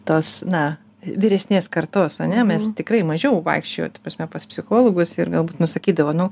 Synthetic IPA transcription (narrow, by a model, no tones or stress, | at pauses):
t̪oːsnɐ | ʋʲɪɾʲɛsʲnʲeːskɐrt̪oːsɐnʲɛmʲɛst̪ʲɪkɾɐɪmɐʒʲɛʋɐ̰ɪkʃʲt͡ʃʲojo̰ːt̪ɐprɐsʲmʲɛpɐspʲsʲɪxoːlˠoːɡʊsɪrɡɐlˠbuːt̪nʊsɐkʲiːd̪ɐʋoːnʊ